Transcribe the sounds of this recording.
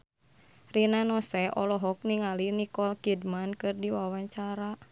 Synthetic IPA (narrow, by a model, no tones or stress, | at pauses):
rinanɔsɛɔlɔɦɔk̚niŋalinikɔlkidmankɨrdiwawaɲt͡ʃaɾa